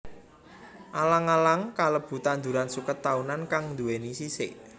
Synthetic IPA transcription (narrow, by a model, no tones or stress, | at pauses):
ʔalaŋalaŋkaləb̥ṳt̪and̪uɾansukət̪ːaunankaŋnd̪ṳwenisisɪʔ